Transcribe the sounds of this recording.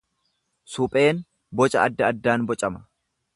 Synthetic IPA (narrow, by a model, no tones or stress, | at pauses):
sʊpʼe̞ːn | bɔt͡ʃʼɐ̰ɐd̪ːɐːd̪ːaːnbɔt͡ʃʼɐmɐ̥